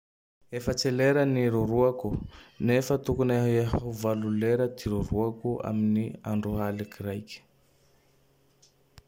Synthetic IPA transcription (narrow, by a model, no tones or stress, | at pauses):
efət͡seleɾəniɾuɾuakunefət̪ukunaɦɦuvaluleɾəd̪iɾuɾuakua̰miniaɳɖ͡ʐuɦalikirajkʲə̥